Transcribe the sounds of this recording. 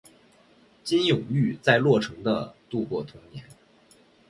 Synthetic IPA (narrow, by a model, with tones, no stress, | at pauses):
t͡ɕi˥njʊ˨˩ŋy˥˧t͡sa˥˧ɪlwɔ˥˩ʈ͡ʂʰɤ˧˥ŋd̪ə̰˧t̪u˥˧kwɔ˥˩t̪ʰʊ˥ŋnjɛ˧˥n